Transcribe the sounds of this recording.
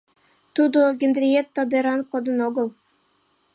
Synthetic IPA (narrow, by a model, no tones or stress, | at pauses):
t̪ud̪oɡʲend̪rʲijet̪ːɑd̪eɾɑnkod̪ə̆noɡɤ̆lˠ